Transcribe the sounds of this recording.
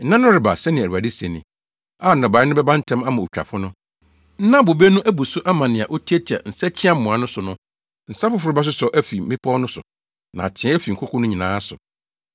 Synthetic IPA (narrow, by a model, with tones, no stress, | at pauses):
n̩˦nã˦nʊ̃˦ɾɪ˨ba̰˨sɛ˦nɪ̃˨æ˨a˨di˦sɛ˨nɪ̰̃˨ | a˦˨n̩˨nɔ̃˨ba˨˦ɪ˦nʊ̃˦bɛ˦bã˦n̩˦tʰɛ̃˦ma˦mã˨o˨t͡ɕᶣa̰˨fʊ˦nʊ̃˦ | n̩˦nã˦bo˨be˦nʊ̃˦ʔæ˦bu˨sʊ˦ʔa˦mã˨nɪ̃˨a˨ʔo˦tʰi˦ɛ˦tʰi˨a̰˨n̩˨sɛ˦t͡ɕʰɪ̃˦a˦m̩˨mʊ̃˨a˨nʊ̃˦sʊ˨nʊ̃˦ | n̩˨sa˦fʊ˦fʊ˦ɾɪ˦ba˦s̬ʊ˦sɔ˨˦ʔæ˦fi˨mɪ̃˦pʰɔ˦nʊ̃˦sʊ̰˨ | nã̰˨t͡ɕʰɛ̃˦æ˦fi˨ŋ̩˨kʰʊ˦kʰɔ̃˦nʊ̃˦ɲĩ˨nãː˨˦sʊ̰˨